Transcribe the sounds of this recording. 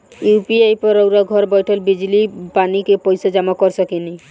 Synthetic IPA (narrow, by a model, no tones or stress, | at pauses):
jupiajpɔɾowɾaɡʱɔɾbɔjʈʰɔlbid͡ʑlipanikepɔjsɔd͡ʒamakɔɾsʰɔkini